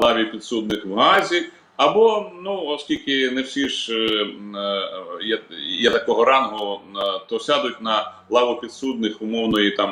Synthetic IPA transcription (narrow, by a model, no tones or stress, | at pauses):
lˠɑʋʲipʲit̪sud̪nɪxwɦɑzʲi | ɐbɔnuɔskʲilʲkɪnɛwsʲiʒ | jɛjɛt̪ɐkɔɦɔɾɑnɦʊt̪ɔsʲɑd̪ʊtʲnɐ | lˠɑʋʊpʲid̪sud̪̚nɪxʊmɔwnɔjit̪ɑm